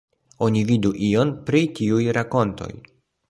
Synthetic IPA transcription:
o̞nividuʔio̞npɾitiujɾako̞nto̞̰j

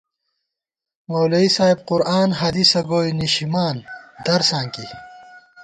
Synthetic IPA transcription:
mowlɐisaːɦib̚qʊɾaːnɦɐd̪isɐɡoːjniɕimaːnd̪ɐɾsãːŋki

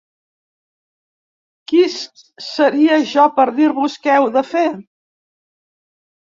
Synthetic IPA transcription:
kis | səɾiəʒɔpəɾðiɾβuskɛwðəfe

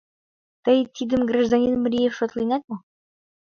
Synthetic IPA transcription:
t̪əjt̪ʲid̪ə̆mɡrɑʒd̪ɑnʲinmɾʲijefʃot̪lˠinɑt̪̚mo

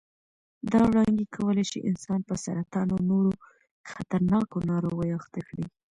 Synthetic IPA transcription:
d̪ɑwɽɑŋɡikʰawəlaʃḭʔɪnsɑnpəsaɾat̪ɑnonoɾo | xat̪aɾnɑkonɑɾoɣəjaxt̪akɽi

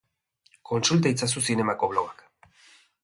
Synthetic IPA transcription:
ko̞nsult̪ajt͡sas̬usine̞makoβ̞loɣak

